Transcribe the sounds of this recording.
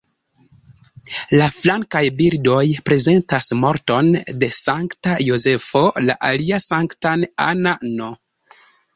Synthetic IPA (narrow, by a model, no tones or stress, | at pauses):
laflaŋkajbildo̞jpɾe̞ze̞ntasmo̞ɾto̞nde̞saŋktajoze̞fo̞la̰ʔaliasaŋktana̰nano